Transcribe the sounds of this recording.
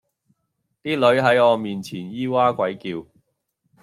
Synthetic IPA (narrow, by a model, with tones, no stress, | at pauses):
t̪iː˥lɵ˨˧ɥɦɐ˨˥jɔː˨˧miː˨nt͡sʰiː˨˩njiː˥waː˥kʷɐ˨˥jkiː˧w